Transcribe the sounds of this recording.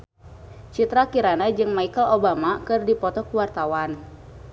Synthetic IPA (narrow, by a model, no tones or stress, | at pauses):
t͡ʃit̪ɾakiɾanad͡ʒɨŋmaikəlobamakɨrdipɔt̪ɔkuwart̪awan